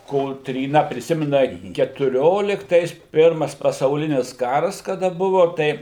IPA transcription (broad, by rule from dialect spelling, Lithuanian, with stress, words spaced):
koːtʲrʲiːˈnɐ pʲrʲɪˈsʲɪmʲɪnɐ kʲɛtʊˈrʲoːlʲɪktɐɪs ˈpʲɪrmɐs pɐsɐʊˈlʲɪnʲɪs ˈkɑːrɐs kɐˈdɐ ˈbʊʋʊ ˈtɐɪ